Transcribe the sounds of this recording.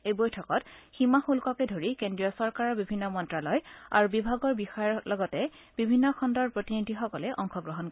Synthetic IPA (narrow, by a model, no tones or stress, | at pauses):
ejbɔjtʰɔkɔtximaxulkɔkɛdʱoɹikendɹiɔsɔɹkaɹɔɹbibʱinːɔmɔntɹalɔja̰ɹubibʱaɡɔɹbixɔjɔɹlɔɡɔtɛ | bibʱinːɔkʰɔndɔɹpɹotinidʱixɔkɔlɛʔɔŋxʰɔɡɹɔɦɔnkɔ